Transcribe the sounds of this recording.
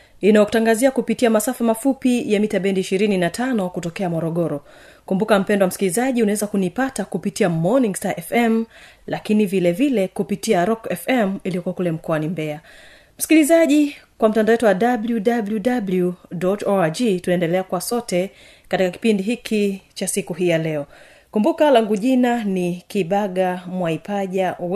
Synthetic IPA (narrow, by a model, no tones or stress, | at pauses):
inajɔku̥taŋɡaziakupitiamasafamafupijamitaɓɛndiːʃiɾininatʰanɔkutɔkɛamɔɾɔɠɔɾɔ | kumbukam̩pɛndɔwam̩si̥kilizaʄiunawɛzakunipatakupitiamɔnĩŋɡstaʔɛfɛm | lakinivilɛvilɛkupitiaɾɔkɛfɛmiliɔkuwakulɛm̩kɔanimbɛa | m̩skilizaʄikwam̩tandawɛtuwaɗabljudabljudabljudɔtɔad͡ʒitunaɛndɛlɛakuwasɔtɛ | katikaki̥pindiɦikʰit͡ʃasikuɦiːjalɛɔ | kumbukalaŋɡuʄinanikiɓaɠamwaipaʄa